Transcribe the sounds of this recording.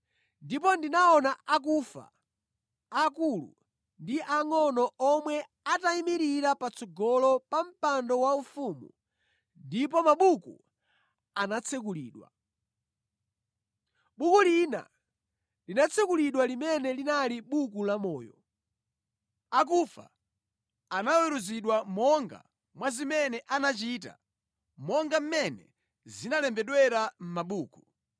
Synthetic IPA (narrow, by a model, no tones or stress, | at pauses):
ndip̬ɔndinaɔnaak̬ufa̰ː | kulṵ | ndiʔaŋɔnɔʔɔmwɛ | ataimiɾiɾapat͡sʰɔɡɔlɔpam̩pandɔwaufumṵ | ndipɔmaɓukṵ | anat͡sʰɛk̬ulḭːɗwa̰ | ɓukulina̰ | linat͡sʰɛkuliɗwalimɛnɛlinaliɓuk̬ulamɔːjɔ̰ | ak̬ufa̰ | anawɛɾuziɗwamɔŋɡa̰ | mwazimɛnɛʔanat͡ʃita̰ | mɔŋɡam̩mɛnɛ̰ | zinalɛmbɛɗwɛɾam̩maɓuːku